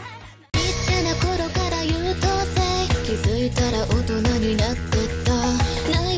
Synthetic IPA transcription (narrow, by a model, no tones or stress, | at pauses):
it͡ɕanako̞ɾo̞kaɾajɯt̪ot̪ːe̞kʲizɨit̪aɾaʔot̪o̞naɲ̟inat̪ːet̪ːa | na